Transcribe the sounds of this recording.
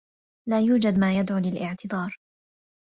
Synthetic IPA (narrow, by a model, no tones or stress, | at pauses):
laːjuːd͡ʒad̪maːjad̪ʕuːlɪlʔɪʕt̪ɨd̪ˤɑːɾˤ